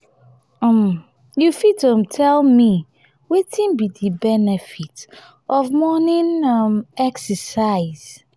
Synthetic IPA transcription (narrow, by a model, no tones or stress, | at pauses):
ɔm | jufidõmtʰɛlmi | wetʰĩnbidibɛnɛfit | ɔvmɔnĩnmɛksəsaɪz̥